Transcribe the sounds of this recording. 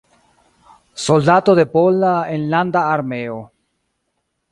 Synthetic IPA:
sold̪at̪oðepolːaenland̪aːɾmeo

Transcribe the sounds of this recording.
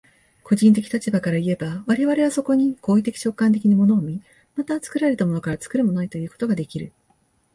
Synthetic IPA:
ko̞ʑĩnt̪̬e̞kʲi̥t̪at͡ɕibakaɾaie̞baβaɾe̞βaɾe̞βaso̞ko̞ɲ̟iko̞ːit̪e̞kʲi̥t͡ɕo̞kːãnt̪e̞kʲiɲ̟imo̞no̞ːmʲi | mat̪at͡sɨ̥kɯ̟ɾaɾe̞t̪amo̞no̞kaɾat͡sɨ̥kɯ̟ɾɯ̟mo̞noit̪o̞jɯ̟ːko̞t̪o̞ɡad̪e̞kʲiɾɯ̟

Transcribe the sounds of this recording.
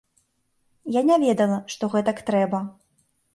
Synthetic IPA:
janʲavʲɛd̪ɐlˠɐʂt̪ɔɣɛt̪ɐkt̪ɾɛbɐ

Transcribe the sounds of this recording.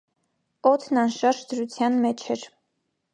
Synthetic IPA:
ɔt̪ʰnɑnʃɑɾʒd̪əɾut͡sʰjɑnmɛt͡ʃʰɛɾ

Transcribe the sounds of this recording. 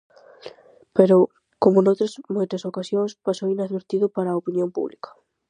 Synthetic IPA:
peɾʊ | komʊnowt̪ɾɐsmojt̪ɐsokasjoŋspasowinaðβeɾt̪iðʊpaɾaopinjõmpṵβlḭkɐ̥

